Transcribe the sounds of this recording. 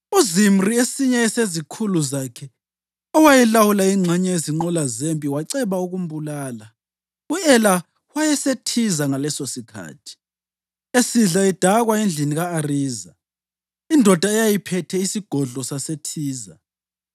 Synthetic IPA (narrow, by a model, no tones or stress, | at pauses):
uzim̩riesiɲɛɛsezikʰuluzakʰɛ | ɔwajɛlawulaiŋ͡ǁʱɛɲɛeziŋ͡ǃɔlazempʼiwaǀɛβauɣum̩bulaːla | uɛla | wajɛsetʰizaŋalɛsosikʰa̰ːtʰi̥ | esiɮaid̥ʱaɣwaend͡ɮʱiniɣaːriːza̰ | indʱɔd̥ʱaɛjajipʰɛtʰɛisiɡ̥ʱɔɮɔsasetʰiːza̰